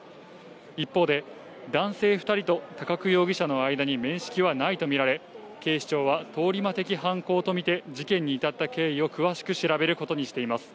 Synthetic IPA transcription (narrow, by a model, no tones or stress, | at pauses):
ipːo̞ːd̪e̞ | d̪ãɰ̃se̞ːɸɯ̟t̪aɾʲit̪o̞t̪akakɯ̟jo̞ːɡʲiɕano̞aid̪aɲ̟imẽ̞ɰ̃ɕi̥kʲiβ̞anait̪o̞mʲiɾaɾe̞ | ke̞ːɕi̥t͡ɕo̞ːβat̪o̞ːɾʲimat̪e̞kʲiɦãŋko̞ːt̪o̞mʲit̪e̞d͡ʑikẽɲ̟ːiːt̪at̪ːake̞ːio̞kɯ̟βaɕi̥kɯ̟ɕiɾabe̞ɾɯ̟ko̞t̪o̞ɲ̟iɕi̥t̪e̞imasɨ̥